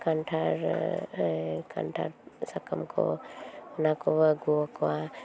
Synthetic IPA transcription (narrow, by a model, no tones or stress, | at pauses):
kanʈʰaɾ | kʰa̰nʈʰa̰ɾsakamkʰɔ̰nakɔβəɡuɔkɔwa